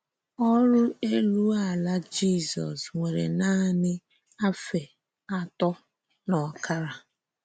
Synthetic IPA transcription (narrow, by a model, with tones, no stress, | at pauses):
ɔ˦ɾʊ˦e˦lu˦a˦˨la˦d͡ʒi˦˨sɔ̰˨sŋʷe˨ɾḛ˨na˦nɪ˦ | a˦fe˨ | a˨tɔ˦ | nɔ˨ka˦ɾa˨